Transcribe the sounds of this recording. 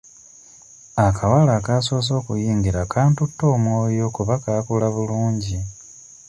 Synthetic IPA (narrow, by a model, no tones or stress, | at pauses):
akʰawalakaːso̞ːs̬o̞ːkujiːŋɡiɾakʰaːntutːo̞ːmwo̞ːjo̞kuβakaːkulaβuluːɲɟi